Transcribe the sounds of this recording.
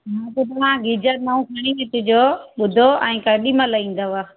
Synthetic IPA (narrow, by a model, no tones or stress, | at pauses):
ɦãt̪ot̪ɐʋ̤ãɡɪd͡ʑəɾnaũkʰɐɽ̃ĩet̪ʊ̃d͡ʑoɓʊd̪ʱoɛ̃ːkɐɗimãlɐĩːn̆d̪oʋa